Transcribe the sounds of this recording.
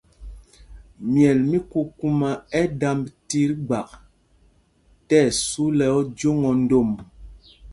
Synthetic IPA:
mjɛ˨lmi˦ku˦ku˦ma˨ɛ˦da˦mbti˦ɾɡ͡ba˨k̚ | tɛ˦˨su˦lɛ˨ɔ˦d͡ʒo˦ŋɔ˨n̩˦do˦˨m

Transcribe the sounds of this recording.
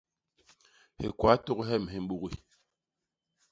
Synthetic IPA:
hḛ˨kwa˨˦to˦kɦɛ˦˨m˨ɦe˨m˦ɓu˦˨ɣi˨

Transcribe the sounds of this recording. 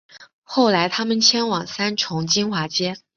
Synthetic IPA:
xo˥˩ʊla˧˥ɪt̪ʰa˥mə˨nt͡ɕʰjɛ˥nwɑ˨˩ŋsa˥nʈ͡ʂʰʊ˧˥ŋt͡ɕi˥nxwa˧˥t͡ɕjɛ˥

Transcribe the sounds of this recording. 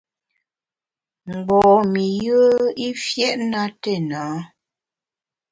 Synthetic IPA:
ŋ͡m̩˨ɡ͡bɔː˨mi˨jə˦i˦fjɛ˦ʔna˦te˦˨naː˨˦

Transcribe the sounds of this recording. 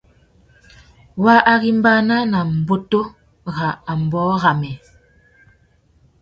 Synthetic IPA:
wa˦ʔa˨ɣi˦m˦ba˦na˦na˨m̩˨bo˦to˦ | ɣa˨a˨m˨bɔ˨˦ɣa˨mɛ˨

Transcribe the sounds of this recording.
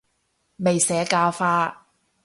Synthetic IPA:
me˨jsɛː˨˥kaː˧wfaː˧˥

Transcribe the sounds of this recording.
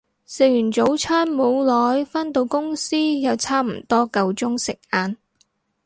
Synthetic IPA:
se˨˧jyː˨˩nt͡so˨˧˥wt͡sʰœː˥nmo˨˧wlɔː˨˥jfaː˥nt̪o˧wkʊ˥ŋsiː˥jɐ˨˧wt͡sʰaː˥m̩˨˩t̪ɔː˥kɐ˨˧wt͡sʊ˥ŋsɪ˨k̚aː˨n

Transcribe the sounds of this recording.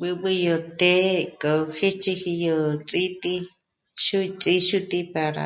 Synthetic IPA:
bɨ˧bɨ˧jo˧t̪e˦kʼo˨˧xi˦t͡ʃi˧hi˧jo˧t͡sʼi˦t̪i˧ | ʃu˦t͡sʼi˦ʃu˦t̪i˧pa˧ɾa̰˨

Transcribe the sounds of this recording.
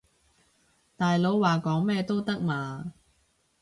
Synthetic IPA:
t̪aː˨jlo˨˧wwaː˨kɔː˨˥ŋmɛː˥t̪o˥wt̪ɐ˥k̚maː˨

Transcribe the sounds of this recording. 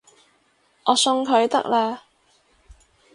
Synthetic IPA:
ɔː˨˧sɵ˧ŋkʰɵ˨˧ɥt̪ɐ̰˦˥k̚laː˧

